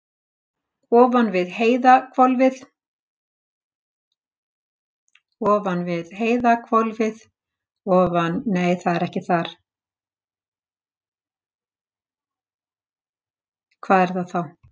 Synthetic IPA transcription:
ɔːvanvɪðheːjðakʰvɔlvɪð | ɔːvanvɪðɦeːjðakʰvɔlvɪð | ɔːvanːeːjθaðɛɾɛhcɪθaɾ̥ | kʰvaːðɛɾ̥θaðθaw

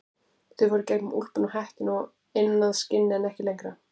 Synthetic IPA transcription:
θʏvɔɾʏcejkmmul̥pʏnahaht̪ɪnɔɣ | ɪnːaðscɪnːɪɛnɛhcɪlejŋkɾa

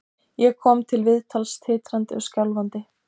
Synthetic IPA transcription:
jɛkʰɔːmt̪ʰɪlvɪðt̪ʰalst̪ʰɪːt̪ɾant̪ɪɔscawlvant̪ɪ

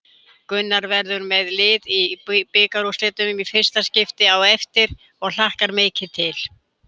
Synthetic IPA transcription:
kʏnːaɾvɛɾðʏɾmɛðlɪːðipɪːkaɾuslɪːt̪ʏmʏmifɪr̥st̪ascɪft̪ɪawɛft̪ɪɾ̥ | ɔɣl̥ahkaɾmeːcɪt̪ʰɪl

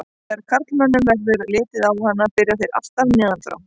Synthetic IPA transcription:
aɾkʰaɾt̪lmɛnːʏmvɛlvɪɾlɪːt̪ɪðawhanːapɪɾɪaθejɾa̰ft̪aɾnɛːðant̪ɾa̰

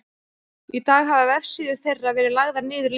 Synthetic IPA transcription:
it̪aːɣɦavavɛfsiːðʏ̥θejrːavɛːɾɪlaɣðaɾnɪːðʏɾl

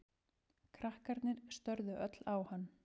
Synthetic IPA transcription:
kʰɾahkaɾt̪nɪɾ̥st̪œɾðʏʔœt̪lawhanː

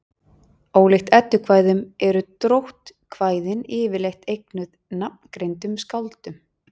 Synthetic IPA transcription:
oːwlext̪ɛt̪ːʏkʰvaːjðʏmɛɾʏt̪ɾowht̪kʰvaːjðɪnɪːvɪlejxt̪ejknʏðnap̚n̥kɾejnt̪ʏmskawlt̪ʏm

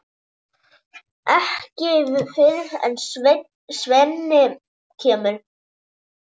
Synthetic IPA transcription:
ɛhcɪvfɪðɾɛ̰n | svɛnːɪ | cʰɛːmʏl

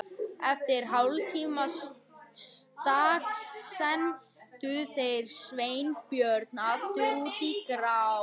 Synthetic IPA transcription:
ɛft̪ɪɾ̥ɦawlt̪ʰima | st̪aːtsɛn | t̪ʏθejɾ̥sveːjnpjœɾt̪̚nat̪ʏuːt̪ikɾaw

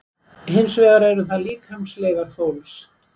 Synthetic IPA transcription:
ɦɪnsvɛːɣaɾɛɾʏθaðliːkʰhœmslɛːɣaɾθowls

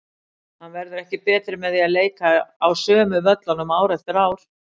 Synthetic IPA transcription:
hanvɛɾðʏɾɛhcɪpɛːt̪ɾɪmɛðialeːjkaawsœːmʏvœt̪lanʏmaːwɾɛft̪ɪɾaːwɾ̥

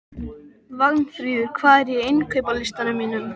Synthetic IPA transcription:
vaknθɾiːðʏkʰvaːɛɾjɛejnkʰœɥpalɪst̪anamiːnʏm

